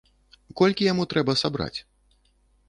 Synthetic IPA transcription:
kɔlʲkʲijamut̪ɾɛbɐsabɾa̰t͡sʲ

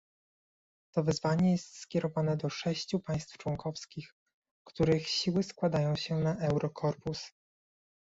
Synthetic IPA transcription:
t̪ɔvɘzvaɲɛjɛst̪skʲɛɾɔvanɛd̪ɔʂɛɕt͡ɕupaj̃st̪ft͡ʂwɔŋkɔfskʲix | kt̪uɾɘxɕiwɘskwad̪ajɔ̃w̃ɕɛnaʔɛwɾʔɔkʰɔɾpus

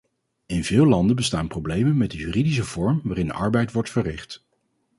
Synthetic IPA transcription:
ɪnvɪːlˠɑndənbəstaːnprowblejmənmɛt̚dəjyːridis̬əv̥ɔɹmʋaːɾɪndə̰ʔɑɹbɛjtʋɔɹtfərɪχt

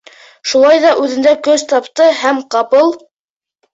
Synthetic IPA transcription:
ʃulˠɑjðɑʔʉðɘ̆nd̪ækɵzt̪ɑpt̪ɤhæmqɑpɤlˠ

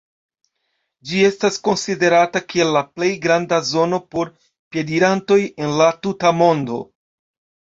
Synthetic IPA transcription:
d͡ʒie̞stasko̞nside̞ɾatakie̞lːaple̞jɡɾandazo̞no̞po̞ɾ | pje̞diɾanto̞je̞nlatutamo̞ndo̞̰

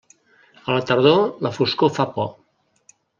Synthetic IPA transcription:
ələt̪əɾð̞oləfuskofapɔ

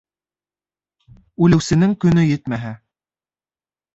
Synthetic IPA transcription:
ʉlɘ̆wsɘ̆nɘŋkɵ̆nɵjɘt̪mæɦæ

